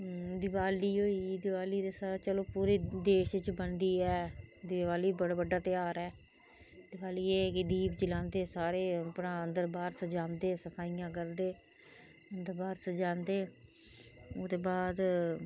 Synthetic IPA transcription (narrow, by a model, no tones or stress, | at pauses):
d̪ɪbaːliːɦoːiːd̪ɪʋaːliːd̪eːsat͡ʃəloːpuːɾeːd̪eːʃt͡ʃbənd̪iːɛːd̪ɪʋaːliːbəɽaːbəɖaːt̪ɪjaːɾɛː | d̪ɪʋaːliːeːkɪd̪iːbd͡ʒɪlãːnd̪eːsaːɾeːpɽãːənd̪əɾbaːɾsəd͡ʒãːnd̪eːsəpʰaːijãːk̬əɾd̪eː | ənd̪əɾbaːɾsəd͡ʒãːnd̪eː | oːd̪eːbaːd̪